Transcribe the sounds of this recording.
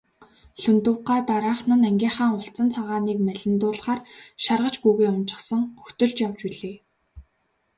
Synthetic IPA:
ɬɵnt̪ʊːɢaːt̪aɾaːχnə̆næŋɡʲiːɴχaːŋʊɬt͡sə̆nt͡sʰaʁaːniːkmæɮʲɪ̆nt̪ʊːɮχaːrʃarʁə̆t͡ɕɡuːɣeːʊnt͡ɕɪ̥̆χsə̆ŋxɵ̥t̪ɵ̆ɮt͡ɕjawt͡ɕpiɮeː

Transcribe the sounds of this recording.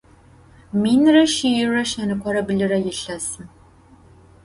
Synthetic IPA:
miːnrɐʃijɪrɐʃænɨkʷʰɔɾɐbɨɮɨɾɐjɪɬɐsɨm

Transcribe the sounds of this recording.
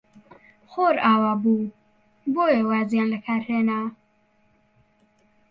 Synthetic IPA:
xoːɾaːwaːbu | boːjewaːzjaːnlɐkʰaːɾheːnaː

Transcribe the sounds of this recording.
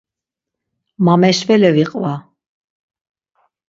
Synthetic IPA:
mamɛʃvɛlɛviqʼva

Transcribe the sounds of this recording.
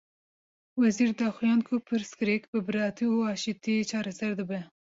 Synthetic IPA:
wɛziːɾd̪ɑːxijɑːnkʰʊpʰɨɾskɨɾekbɨbɨɾɑːt̪ʰiuɑːʃit̪it͡ʃʰɑːɾɛsɛɾd̪ɨbɛ

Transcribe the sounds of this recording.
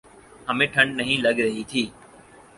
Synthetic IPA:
ɦəmẽːʈʰəɳɖnəɦĩːləɠɾəɦiːt̪ʰiː

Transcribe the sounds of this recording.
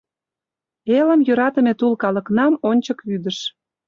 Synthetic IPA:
elə̆mjøɾɑt̪ə̆met̪ulkɑlə̆knɑmonʲt͡ɕəkyd̪əʃ

